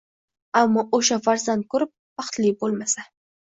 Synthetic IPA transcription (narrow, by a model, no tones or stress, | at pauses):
amːɒʔoʃafaɾzand̪̚kʰoɾɪp̚waχt̪libolmasa